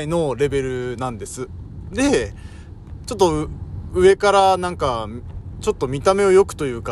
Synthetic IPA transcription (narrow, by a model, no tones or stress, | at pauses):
ino̞ɾe̞be̞ɾɯ̟nãnd̪e̞sɨd̪e̞ | t͡ɕo̞t̪̬ːo̞ɯ̟e̞kaɾanãŋkat͡ɕo̞t̪ːo̞mʲit̪ame̞o̞jo̞kɯ̟̥t̪o̞jɯ̟ːka